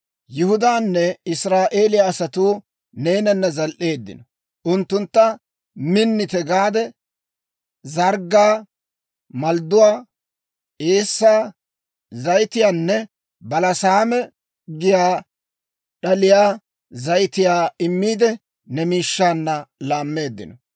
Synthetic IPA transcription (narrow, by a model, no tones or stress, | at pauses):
jɪhʊd̪aːnːɛɪsɾaːʔe̞ːlɪjaːsɐt̪uː | ne̞ːnɐnːɐzɐlʔe̞ːd̪ːɪ̰nɔ | ʔʊnt̪ːʊnt̪ːɐ | mɪnːɪt̪ɛɡaːd̪ɛ | zɐɾɡaː | mɐld̪ʊwaː | eːsːaː | zɐjt̪ɪjaːnːɛ | bɐlɐsaːmɛ | ɡɪjaː | ɗɐlɪjaː | zɐjt̪ɪjaːɪmːiːd̪ɛ | nɛmiːʃːaːnːɐlaːmːe̞ːd̪ːɪ̰nɔ